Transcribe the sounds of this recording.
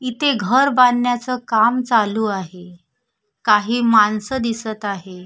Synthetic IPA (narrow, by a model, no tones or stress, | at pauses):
it̪ʰeɡʱəɾbanjat͡səkamt͡saluːaɦe | kaɦiːmansəd̪isət̪aɦe